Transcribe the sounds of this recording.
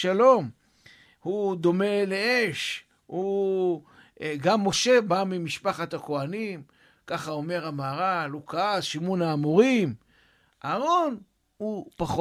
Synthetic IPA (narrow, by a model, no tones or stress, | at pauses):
alo̞m | hud̪o̞me̞leeʃ | hu | ɡamːo̞ʃe̞bamimiʃpaχat̪ako̞anim | kaχao̞me̞ʁamaːʁalukaazʃimunaːmuʁim | ʔaːʁo̞n | hupaχ